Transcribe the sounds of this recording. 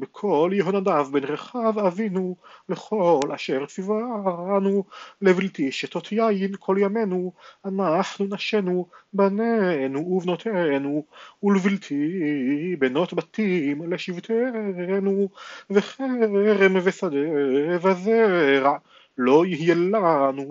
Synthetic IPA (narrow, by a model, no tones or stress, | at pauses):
bekʰo̞ljeɦonad̪avbenʁeχavavinuleχo̞lʔa̰ʃeʁt͡sivaanulevilt̪iʃet̪ot̪ʰjajinkʰo̞ljamenuanafnunaʃenubanenuuvnot̪ʰenuulvilt̪ʰi | beno̞t̪bat̪imleʃivt̪ʰenuveχeʁemvesad̪evazeʁa | lo̞jihjelanu